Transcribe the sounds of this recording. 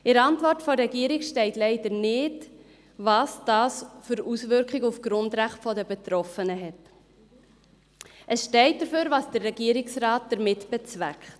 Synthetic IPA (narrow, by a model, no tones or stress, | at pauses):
ʔɪɾɑntvɔrtfɔɾɛɡiːɾɪkʃtɛɪtlɛɪd̥əɾnɪd | vɑsd̥ɑːsføɾusvʏɾkχɪɡufɡ̥ɾʊndɾæχtfɔdəbɛtɾɔfənəɦɛt | ʔəsʃtɛɪt̚d̥əføːɾvɑsd̥ərːɛɡiəɾɪksrɑːt̚d̥əɾmɪtb̥ɛt͡svækχt